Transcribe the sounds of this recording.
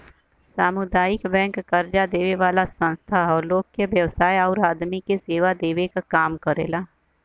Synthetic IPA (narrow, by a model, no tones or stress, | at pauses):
saːmʊd̪aːjɪkbɛ̃ːŋkːɐɾd͡ʒad̪eːʋeʋaːlasə̃nst̪ʰaɔːɾloːɡ̚keʋjɐʋsaːjɔːɾaːd̪mikeseːʋad̪eːʋekakaːmkəɾḛːlaː